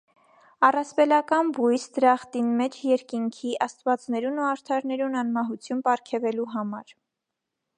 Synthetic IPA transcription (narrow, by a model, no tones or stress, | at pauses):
ɑrɑspɛlɑkɑnbujsd̪əɾɑχt̪inmɛt͡ʃʰjɛɾkiŋkʰiʔɑst̪vɑt͡snɛɾunuɑɾt̪ʰɑɾnɛɾunɑnmɑɦut͡sʰjunpɑɾkʰɛvɛluɦɑmɑɾ